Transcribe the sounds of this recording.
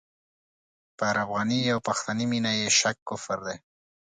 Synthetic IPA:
pəaɾabɣaniawpaxt̪animinajeʃakːʊfəɾd̪e

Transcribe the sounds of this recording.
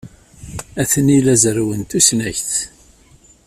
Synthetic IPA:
æθənilæzɾwənt̪usnæçθ

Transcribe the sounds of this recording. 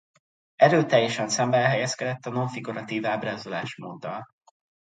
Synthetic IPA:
ɛɾøːt̪ɛjːɛʃɛnsɛmbɛɛlɦɛjɛskɛd̪ɛt̪ːɒnoɱfiɡuɾɒt̪iːvaːbraːzolaːʃmoːd̪ːɒ̰l

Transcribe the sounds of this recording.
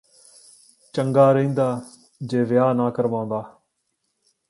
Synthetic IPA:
t͡ʃəŋɡaːɾĩːnd̪aː | d͡ʒeːʋɪjaːnaːkəɾʋãːnd̪aː

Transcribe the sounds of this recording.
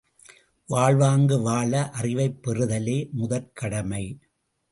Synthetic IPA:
ʋaːɭʋaːŋɡɯʋaːɭɐʔɐrɪʋɐɪpːɛrɯðɐleːmʊðɐɾkɐɽɐmɐɪ

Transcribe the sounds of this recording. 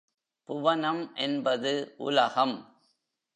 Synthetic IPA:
pʊʋɐnɐmʔɛnbɐðɯʔʊ̰lɐɣɐm

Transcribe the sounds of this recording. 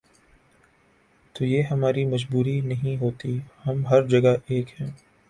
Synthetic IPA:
t̪oːjeːɦɐmaːɾimɐd͡ʒbuːɾinɐɦĩɦoːt̪ihɐmɦɐɾd͡ʒɐɡaʔeːkɦɛ̃ː

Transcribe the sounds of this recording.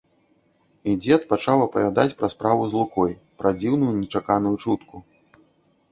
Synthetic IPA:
id͡zʲɛt̪pat͡ʂawɐpɐvʲad̪at͡sʲpɾɐspɾavuzlˠukɔjpɾɐd͡zʲiwnujunʲɛt͡ʂakanujut͡ʂut̪ku

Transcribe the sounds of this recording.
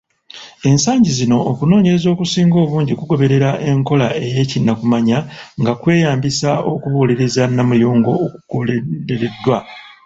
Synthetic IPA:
e̞nsaːɲɟizino̞ːkuno̞ːɲe̞ɾezo̞ːkusiːŋɡo̞ːβuːɲɟikuɡo̞βe̞ɾe̞ɾaʔe̞ŋko̞lae̞je̞ːcinːakumaɲaŋɡakwe̞ːjaːmbisao̞kuβuːliɾizanːamujoːŋɡo̞ːkuɡ̥ueɾe̞dːwa

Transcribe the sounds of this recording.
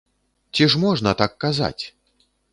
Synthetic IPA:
t͡sʲiʂmɔʐnɐt̪akːaza̰t͡sʲ

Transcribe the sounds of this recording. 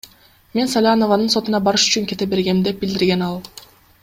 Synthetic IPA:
me̞nsalʲano̞vanɯnso̞t̪unɑbɑɾɯʃy̥t͡ʃyŋkʲe̞t̪e̞be̞ɾɡe̞md̪e̞p̚bild̪iɾɡe̞nɑlˠ

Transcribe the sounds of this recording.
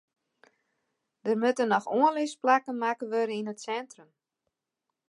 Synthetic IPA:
d̥ərmøtənɔxoənlɪsplakənmakəʋøɾəinətsɛntrəm

